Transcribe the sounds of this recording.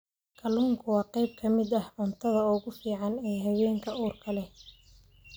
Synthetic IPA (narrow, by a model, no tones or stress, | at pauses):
kʰɐluːŋkʰʊwɑːqɛjb̚kʰɐmɪd̪ɐhʕʊnt̪ʰɐðɐɔːɣʊfiːʕɑnɛːɦɐwɛːŋkʰɐuːrkʰɐlɛ